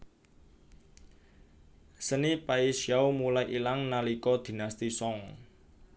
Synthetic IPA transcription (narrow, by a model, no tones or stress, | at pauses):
sənipaisjawmulajʔilaŋnalikɔd̪̥i̤nast̪isɔŋ